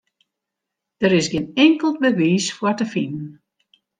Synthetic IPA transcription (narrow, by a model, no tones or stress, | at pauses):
d̥əɾɪsɡɪnɪŋkəlˠt̚bəʋiːsfwɔrtəfinən